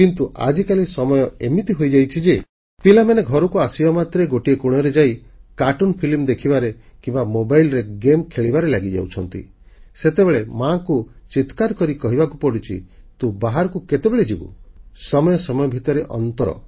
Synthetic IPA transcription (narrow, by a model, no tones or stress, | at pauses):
kint̪uʔa̰d͡ʒikalisɔmɔjɔemit̪iɦojd͡ʒajt͡ʃʰid͡ʒe | pilameneɡʱɔɾɔkuasibɔmat̪ɾeɡoʈiekuɽ̃ɔɾed͡ʒajkaʈunpʰilimd̪ekʰibaɾe | kimbamobajlɾeɡemkʰeɭibaɾelaɡid͡ʒa̰wt͡ʃʰɔnt̪ḭ | set̪ebeɭemakut͡ʃit̪kaɾkɔɾikɔɦibakupɔɽit͡ʃʰḭt̪ũbaɦaɾɔkuket̪ebeɭed͡ʒibṵsɔmɔjɔsɔmɔjɔbʱit̪ɔɾeʔɔ̰nt̪ɔɾɔ̰